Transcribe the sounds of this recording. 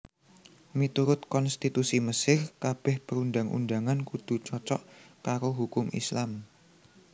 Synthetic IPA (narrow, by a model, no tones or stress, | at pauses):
mit̪uɾʊt̪̚kɔnst̪it̪usiməsɪrkab̥ɛhpəɾunɖaŋṵnɖaŋankud̪̥ṳt͡ʃɔt͡ʃɔʔkaɾoɦukʊmḭslam